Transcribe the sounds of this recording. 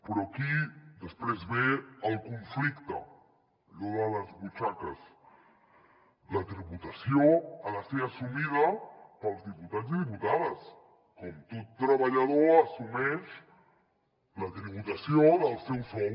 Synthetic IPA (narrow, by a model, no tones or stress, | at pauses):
pəɾoakid̪əspɾezβealkuɱflikt̪a̰ | ʎoðaðazβut͡ʃakaz | lat̪ɾiβut̪asjoalaseasumiðapalzðiput̪at̪ziðiput̪aðas | komt̪ut̪ːɾaβaʎaðoasumeʃ | lat̪ɾiβut̪asjoðalˠsewso